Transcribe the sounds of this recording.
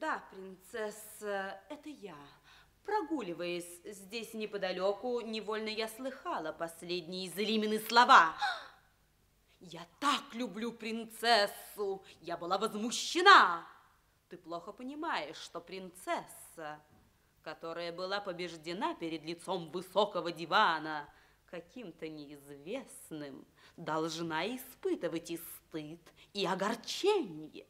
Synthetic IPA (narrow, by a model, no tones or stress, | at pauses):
d̪apɾʲɪnt̪sɛsəɛt̪əja | pɾɐɡulʲɪvəjʊsʲzʲdʲesʲnʲɪpəd̪ɐlʲokʊnʲɪvo̞lʲnəjaslˠɨxalˠəpɐsʲlʲedʲnʲɪjɪzʲlʲimʲɪnɨslˠɐva | jat̪aklʲʊblʲupɾʲɪnt̪sɛsːʊjabɨlˠavəzmʊɕːɪna | t̪ɨplˠoxəpənʲɪmajɪʂːt̪opɾʲɪnt̪sɛsːə | kɐt̪oɾəjəbɨlˠapəbʲɪʐdʲɪnapʲɪɾʲɪd̪lʲɪt̪somvɨsokəvədʲɪvanə | kɐkʲimt̪ənʲɪːzvʲesnɨm | d̪ɐlˠʐnaɪspɨt̪ɨvətʲɪst̪ɨt̪iɐɡɐrt͡ɕenʲɪjə̰